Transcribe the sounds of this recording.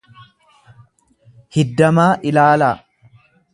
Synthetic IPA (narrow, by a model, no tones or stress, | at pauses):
hɪd̪ːɐmaːʔɪlaːlaː